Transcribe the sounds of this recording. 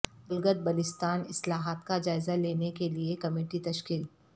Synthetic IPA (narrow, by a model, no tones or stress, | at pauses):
bʊlɡəd̪̚bɐlɪst̪aːnɪslaːɦaːt̪kad͡ʒaːɪzaleːnekeliekɐmeːʈit̪ɐʃkiːl